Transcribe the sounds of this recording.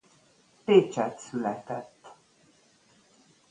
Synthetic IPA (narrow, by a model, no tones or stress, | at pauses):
peːt͡ʃɛt̪sylɛt̪ɛt̪ː